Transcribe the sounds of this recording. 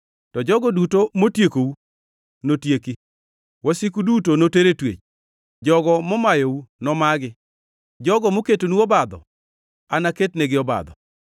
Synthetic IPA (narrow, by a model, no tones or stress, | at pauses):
tɔd͡ʒɔɡɔdutomotjekou | notjeki | wɔsikudutonoteɾetwḛt͡ʃ | d͡ʒɔɡɔmɔmajɔunɔmaɡɪ | d͡ʒɔɡɔmoketonuɔbad̪ɔ̰ | anaketneɡɪɔba̰d̪ɔ̰